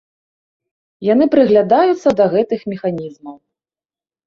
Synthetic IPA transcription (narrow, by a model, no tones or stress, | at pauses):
janɨpɾɨɣlʲad̪ajut̪sːɐd̪ɐɣɛt̪ɨxmʲɛxanʲizmɐw